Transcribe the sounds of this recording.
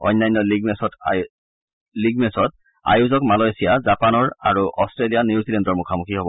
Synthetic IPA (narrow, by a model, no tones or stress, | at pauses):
ɔ̰jnːajnːɔliɡmesɔt | liɡmɛsɔt̚ | a̰juzɔkmalɔjsijazapanɔɹaɹuʔɔstɹelijaniuzilɛndɔɹmukʰamukʰiɦobɔ